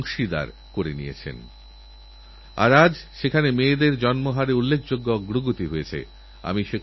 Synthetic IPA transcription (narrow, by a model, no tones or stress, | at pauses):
ŋʃid̪a̰ɾ | koɾenijḛt͡ɕʰḛn | a̰ɾad͡ʑʃekʰanemeːd̪eɾd͡ʑɔnmoɦaɾeulːek̚ʰd͡ʑoɡːoɔɡɾoɡot̪iɦojet͡ɕʰḛ | a̰miʃek